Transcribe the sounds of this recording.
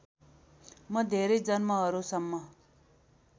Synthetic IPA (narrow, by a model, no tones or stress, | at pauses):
mʌd̪ʱeɾʌjd͡zʌnmʌɦʌɾusʌmːʌ